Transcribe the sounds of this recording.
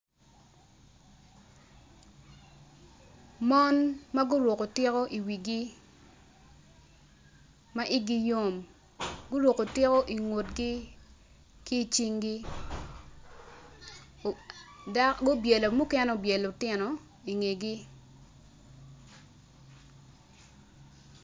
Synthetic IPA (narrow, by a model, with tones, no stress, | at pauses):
mɔ˦nma˦ɡʊ˦ɾo˨ko˨tɪ˦ko˦ʔi˨wi˨ɡi˦ | ma˦ʔi˦ɡi˦jo˦m | ɡʊ˦ɾwo˨ko˨tɪ˦ko˦ʔi˨ŋo˨t̚ɡi˦ | ki˦˨t͡ʃi˦ŋɡi˦ | ɡo˦bje˨lo˨mu˦kɛ˦no˦˨bje˨lo˨tɪ˦nɔ˨ | i˨ŋe˨ɡi˦